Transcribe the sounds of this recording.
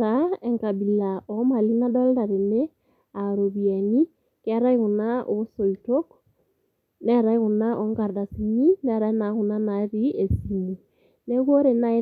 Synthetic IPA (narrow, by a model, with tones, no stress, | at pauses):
ɾaɛ˨ŋka˨bi˨la˨ɔ˨ma˨li˦na˦dɔ˦lda˨ɾe˨ne˦ | a˨ɾo˨βia˨ni˦ | ke˦a˦ɾa˦i˦ɣu˨na˦ʔo˨so˨ito˦k | nɛ˦ɾa˦i˦ɣu˨na˦ʔɔ˨ŋɡa˨ɾda˨simi˦nɛ˦ɾa˦e˦na˨ɣu˨na˦naɾi˦e˨si˨mu˨ | ne˦ɣo˦ɾe˨na˦e˦